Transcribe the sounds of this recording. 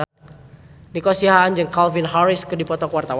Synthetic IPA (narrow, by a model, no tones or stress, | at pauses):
nikɔsiɦaːnd͡ʒɨŋkalvinɦaɾɪskɨdipɔt̪ɔkəwart̪aw